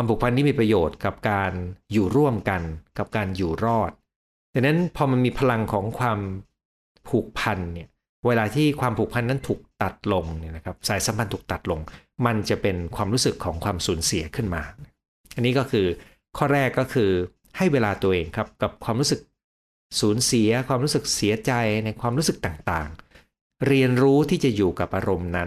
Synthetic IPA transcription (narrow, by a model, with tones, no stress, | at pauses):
a˧mpʰuː˨˩k̚pʰa˧nːiː˥˩miː˧pɾa˧joː˨˩t̪̚ka˨˩p̚kaː˧njuː˨˩ɾu˥˩əmka˧nka˨˩p̚kaː˧njuː˨˩ɾɔː˥˩t̪̚ | t̪ɛː˨˩na˦˥npʰɔː˧ma˧nmiː˧pʰa˧la˧ŋkʰɔː˩˦ŋkʰwaː˧m | pʰuː˨˩k̚pʰa˧nːi˥˩ɐ | weː˧laː˧t̪ʰiː˥˩kʰwaː˧mpʰuː˨˩k̚pʰa˧nːa˦˥nt̪ʰuː˨˩k̚t̪a˨˩t̪̚lo˧ŋni˥˩na˦˥kʰa˦˥p̚saː˩˦jsa˩˦pʰa˧nt̪ʰuː˨˩k̚t̪a˨˩t̪̚lo˧ŋma˧nt͡ɕa˨˩pe˧nkʰwaː˧mɾuː˦˥sɯ˨˩kʰːɔː˩˦ŋkʰwaː˧msuː˩˦nsi˩˦ɐkʰɯ˥˩nma̰ː˧na˦˩ | ʔa˧nːiː˦˥kɔː˥˩kʰɯː˧ | kʰɔː˥˩ɾɛː˥˩kːɔː˥˩kʰɯː˧ | ha˥˩jweː˧laː˧t̪u˧ɐʔeː˧ŋkʰɾa˦˥p̚ka˨˩p̚kʰwaː˧mɾuː˦˥sɯ˨˩k̚ | suː˩˦nsi˩˦ɐkʰwaː˧mɾuː˦˥sɯ˨˩k̚si˩˦ɐt͡ɕa˧jna˧jkʰwaː˧mɾuː˦˥sɯ˨˩k̚t̪aː˨˩ŋt̪a̰ː˨˩ŋ | ɾi˧ənɾuː˦˥t̪ʰiː˥˩t͡ɕa˨˩juː˨˩ka˨˩p̚ʔaː˧ɾo˧mna˦˥n